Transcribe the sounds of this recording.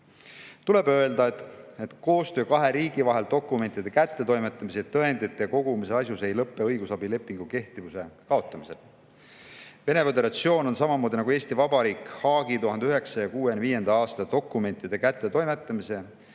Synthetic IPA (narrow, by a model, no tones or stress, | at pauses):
t̪ule̞bø̞e̞ld̪̥ɑet̪et̪ko̞ːst̪ø̞ːkɑɦe̞ɾiːɡivɑɦe̞ld̪̥o̞kːˑume̞nt̪ːˑid̪̥e̞kæt̪ːˑe̞t̪o̞jmet̪ːˑɑmiset̪ːɤe̞nd̪̥it̪ːˑeko̞ɡ̥umise̞ɑs̬jusejlɤpːˑeɤjɡ̥usɑbile̞pːˑiŋɡ̥uke̞ht̪ivuse̞kɑo̞t̪ˑːɑmise̞l | ve̞ne̞vod̪eɾɑt̪sio̞ːno̞nsɑmɑmo̞ːd̪ʲinɑɡue̞ːst̪ivɑbɑɾiːkhɑːɡ̥it̪uɦɑnd̪eyɦe̞ksɑjɑkuːenviːje̞nd̪̥ɑɑːst̪ɑd̪̥o̞kːˑume̞nʲt̪ːˑid̪̥e̞kæt̪ˑːe̞t̪o̞jmet̪ːˑɑmise̞